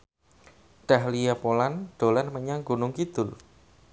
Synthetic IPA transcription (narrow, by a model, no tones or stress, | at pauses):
ɖ̥ahlijapolanɖ̥o̤lanməɲaŋɡunʊŋkid̪̥ʊl